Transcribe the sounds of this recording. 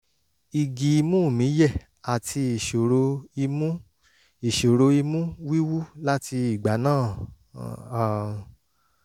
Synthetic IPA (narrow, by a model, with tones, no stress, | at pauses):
i˨ɡi˨˧˦mũ˦˨mĩ˨˦jɛ˦˨ | a˨tʰi˧i˨ʃo˨ɾo˧i˧mũ˦ | i˨ʃo˨ɾo˧i˧mũ˦wi˦wu˦la˦ti˧i˦˨ɡ͡ba˨˦nãː˦˨